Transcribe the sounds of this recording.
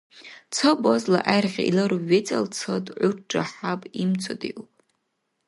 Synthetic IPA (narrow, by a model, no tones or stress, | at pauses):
t͡sʰobozla̰ʔajrʁʲa̰ilɨɾuɥːet͡sʼalt͡sʰodʼʕʷʊʈ͡ʂʼaħapʼimt͡sʷʰodḭʔupʼ